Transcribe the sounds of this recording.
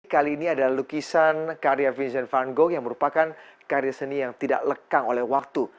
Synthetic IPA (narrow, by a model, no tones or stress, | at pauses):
kaliːniadalahlukisankaɾiafinsɛnfaŋɡojaŋməɾupakankaɾiasənijaŋt̪ida̰ʔləkaŋolɛhwak̚t̪u